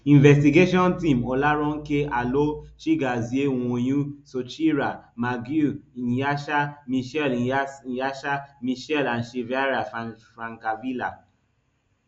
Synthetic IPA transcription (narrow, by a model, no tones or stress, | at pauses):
ĩnvɛstiɡeʃɔ̃ntĩmɔlaɾɔ̃n̩kealoʃiɡaziew̃õj̃ũsot͡ʃiɾamaɡuĩjaʃamĩʃɛljaʃamĩʃɛlan̩ʃevaɾaffɾãŋkavila